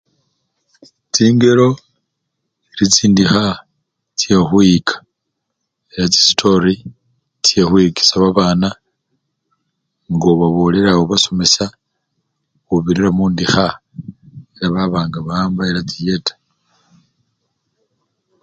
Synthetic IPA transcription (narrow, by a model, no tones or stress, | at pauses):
t͡siːŋɡe̞ɾo̞ | iɾit͡siːndixa | t͡sjexwikʰḁ | eɾat͡si̥stʰo̞ɾi | t͡sjexwiki̥saβaβaːna | ŋɡoβaβo̞le̞ɾawoβaso̞me̞sa | xuβiɾiɾamuːndixa | eɾaβaβaːŋɡaβaːmbaeɾat͡sije̞tḁ